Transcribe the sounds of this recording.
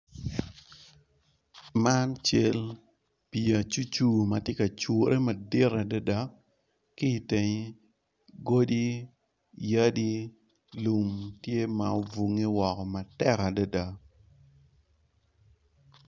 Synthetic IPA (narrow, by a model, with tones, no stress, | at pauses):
ma˦nt͡ʃe˦l | pi˨a˨t͡ʃu˦t͡ʃu˦mɐ˨tje˦ka˨t͡ʃo˨ɾʔe˦mɐ˨dɪ˦ɾa˨da˦da˦ | kiː˦˨te˨ɲi˦ | ɡo˦di˦ | ja˦di˦ | lu˨mtje˦ma˨o˨vu˨ŋi˦wɔ˨kɔ˨ma˨tɛ˦ka˨da˦da˨